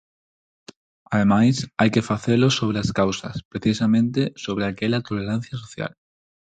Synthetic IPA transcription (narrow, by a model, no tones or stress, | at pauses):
aðemajsajkefaθelosoβ̞ɾeaskawsa̰spɾeθisamẽnt̪esoβ̞ɾeakeʎat̪oleɾan̟θjasoθja̰l